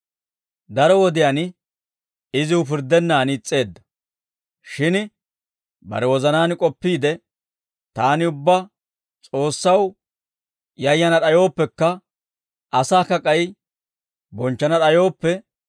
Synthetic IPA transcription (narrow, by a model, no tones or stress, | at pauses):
d̪ɐɾɔwɔd̪ɪjan | ɪzɪʊp̬ɪɾd̪ːɛnːaːnt͡sʼːe̞ːd̪ːɐ̥ | ʃɪn | bɐ̰ɾɛwɔzɐnaːnkʼɔpːiːd̪ɛ | t̪aːnɪʊbːɐ | t͡sʼo̞ːsːɐw | jɐjːɐnɐɗɐjo̞ːpːɛkːɐ | ʔɐsaːkɐkʼɐj | bɔnt͡ʃːɐnɐɗɐjo̞ːpːɛ